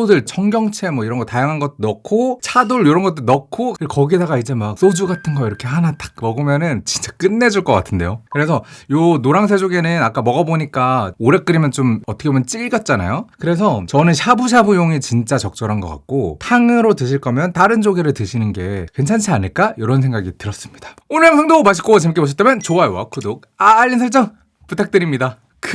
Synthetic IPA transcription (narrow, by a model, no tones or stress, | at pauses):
odɯɭt͡ɕʰʌŋɡjʌŋt͡ɕʰe̞mwʌiɾʌnɡʌtajaŋɦanɡʌt͈onʌkʰot͡ɕʰadoɭjoɾʌnɡʌt͈ɯɾnʌkʰokʌɡidaɡaid͡ʑe̞mak̚s͈od͡ʑuɡatʰɯnɡʌiɾʌkʰe̞ɦanatḁk̚mʌɡɯmjʌnɯnt͡ɕint͡ɕ͈ḁk͈ɯnːe̞d͡ʑuɭk͈ʌk͈atʰɯnde̞jokɯɾe̞sʰʌjonoɾaŋs̬ʰed͡ʑoɡe̞nɯnak͈amʌɡʌboɲik͈aoɾe̞k͈ɯɾimjʌnt͡ɕomʌtʰʌkʰebomjʌnt͡ɕ͈iʎɡjʌt̚t͡ɕ͈ana̰jokɯɾe̞sʰʌt͡ɕʌnɯnɕʰabuɕʰabujoŋit͡ɕint͡ɕ͈at͡ɕʌk̚t͡ɕ͈ʌɾɦanɡʌk͈a̰t̚k͈otʰaŋɯɾotɯɕʰiɭk͈ʌmjʌntaɾɯnd͡ʑoɡeɾɯɭtɯɕʰinɯnɡe̞̰kwe̞nt͡ɕʰant͡ɕʰiaɲiɭk͈aiɾʌnsʰe̞ŋɡaɡitɯɾʌs͈ɯmɲid̥ḁonɯɭɸaŋdomaɕ̬ʰi̥k͈ot͡ɕemik͈eboɕ̬ʰʌt͈ʰemjʌnt͡ɕoajwa̰kʰɯdok̚aːʎːinsʰʌɭt͡ɕ͈ʌŋ | putʰak̚t͈ɯɾimɲida | k